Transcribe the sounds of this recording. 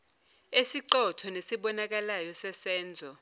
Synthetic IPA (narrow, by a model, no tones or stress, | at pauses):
esiǀɔtʰɔnesiɓɔnak̬alajɔsɛsɛːnd͡zʱɔ